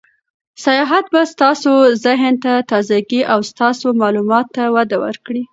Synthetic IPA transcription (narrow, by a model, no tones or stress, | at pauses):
sajɑɦat̪̚bast̪ɑsozəɦnt̪at̪ɑzaɡiʔawst̪ɑsomɑlumɑt̪ːawad̪awə̰ɾkɽi